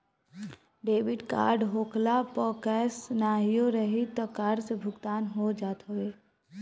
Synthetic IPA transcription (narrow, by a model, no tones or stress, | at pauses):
ɖeːʋɪɖka̰ːɾɖɦoːklapɔːkɛːsnaːɦijoɾəɦit̪ɔkaːɖsebʱʊɡt̪aːnɦod͡ʒaːt̪ɦoeː